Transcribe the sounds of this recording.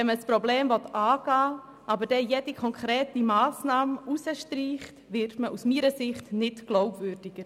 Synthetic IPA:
ɛnməspɾɔbleːmvɔtɑːɡ̥ɑː | ʔɑbəɾd̥ɛjɛdikʰɔŋkχɾɛːtimaːsnɑːmusəʃtɾiːχtʋɪrtməʔusmiːɾəsɪχtnɪtɡ̥loʊbvʏɾd̥ɪɡ̥əɾ

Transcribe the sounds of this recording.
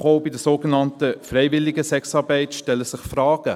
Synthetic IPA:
χoʊbɪdəsoːɡenɑntəfɾɛɪvɪlːɪɡəsɛksɑːɾbɛɪtʃtɛlːəsɪχfɾɑːɡ̥ə

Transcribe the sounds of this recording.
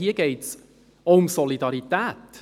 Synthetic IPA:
hiəɡ̥eɪts | ʊmsɔlidɑɾit̪æːt

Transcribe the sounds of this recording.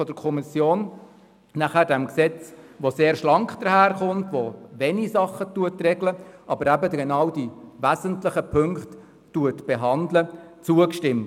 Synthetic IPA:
ɔd̥əɾkʰɔmisjoːn | næχæːɾdɛmksɛt͡sʋoseːɾʃlɑŋkχd̥̪əɾhæːɾχʊntʋoʋɛnisɑχːətuətrɛɡləʔɑbəɾæbəd̪əɡenɑwdiʋæzəntlɪχəpʰɵŋktː | uətb̥eɦɑnd̪lət͡suəkʃtɪmt

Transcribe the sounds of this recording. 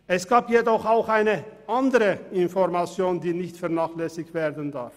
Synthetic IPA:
ʔɛsɡ̥aːpjedɔχaʊxaɪnəʔandəʁəɪnfɔʁmat͡sjoːndiːnɪçtfɛɐnaːχlɛsɪçv̥eːɐdən̩daʁf

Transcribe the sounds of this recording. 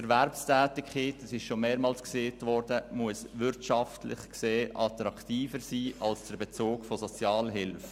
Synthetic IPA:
ɛɾʋɛɾpstæːtɪkχiːtdɑsɪʃʃomeːɾmɑːlskseːtʋɔɾdəmuəsʋʏɾtʃɑftlɪ̰χkseːʔɑt̪ɾɑktiːfəɾsiːʔɑlsd̥əɾbet͡soːkfosɔt͡sjɑːlɦɪlf

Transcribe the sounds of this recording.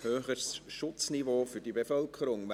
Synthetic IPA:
høːχəɾsʃʊt͡snivoːfʏɾdibefœlkʰəɾʊŋm

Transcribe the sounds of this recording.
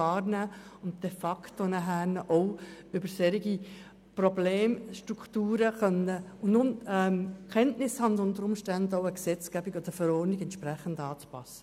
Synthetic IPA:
ɑːɾnæːʊnt̚d̥ɛfɑktonəɦæːɾnəʔɔʊʏbəɾsɛɾiɡi | probleːmʃtɾuktuːɾəχœnːəʊnʊnɛmkʰɛntnɪshɑndʊnt̪əɾʊmʃtændəɔʊəksɛt͡skæbiɡod̥̪əɾəfəɾɔːɾnɪɡɛntʃpɾɛχəndɑːt͡spɑ̰sːə̥

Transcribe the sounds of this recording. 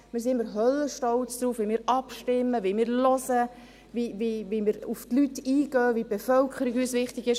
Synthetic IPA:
mɪːɾsiɪmːəɾɦœlːəʃtɔlt͡sd̪̥ɾuːfʋimɪːɾɑpʃtɪmːəʋimɪːɾlɔsə | viʋiʋimɪːɾuftlytːiːɡ̥œːvib̥efœlkʰəɾiɡyːsʋɪχtɪɡɪʃ

